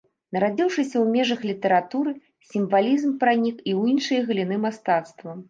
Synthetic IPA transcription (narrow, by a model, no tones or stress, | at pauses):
nɐɾad͡zʲiwʂɨsʲɐwmʲɛʐɐxlʲit̪ɐɾat̪uɾɨ | sʲimvalʲizmpɾanʲikiwjinʂɨjɐɣɨlʲin̪ɨmast̪at̪st̪vɐ